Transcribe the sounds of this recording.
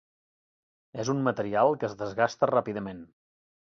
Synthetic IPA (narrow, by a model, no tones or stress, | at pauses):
ɛzummət̪əɾialˠkəːzðəzɣast̪ərapiðəmen